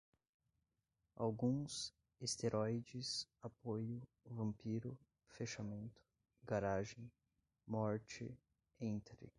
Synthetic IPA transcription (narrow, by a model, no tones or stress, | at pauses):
a̰wɡũs | est̪eɾʔɔjd͡ʒɪsapojʊ | vɐ̃mpiɾʊ | feʃamẽnt̪ʊ̥ | ɡaɾaʒẽj̃ | mɔɾt͡ʃɪ̰ | ẽnt̪ɾɪ̰